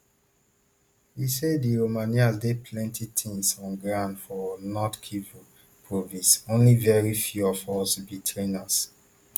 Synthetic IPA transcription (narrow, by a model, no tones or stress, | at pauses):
hisediɹomaniazdepʰlɛ̃ntʰitʰĩŋsɔ̃nɡɹãʊ̃ndfɔnɔtkʰiv | pʰɹovĩnsõnlivɛɹifjuɔfɔstubitʰɹenas